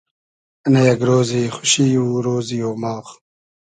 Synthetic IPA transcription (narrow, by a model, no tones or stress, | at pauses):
ɐnɐjɐɡɾoːziːxu̥ɕiːuːɾoːzijoːmaːx